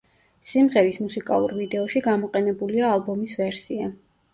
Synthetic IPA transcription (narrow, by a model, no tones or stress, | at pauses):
simʁɛɾismusikʼa̰lˠṵɾvid̪ɛɔʃiɡamɔqʼɛnɛbuliaːlˠbɔmisvɛɾsia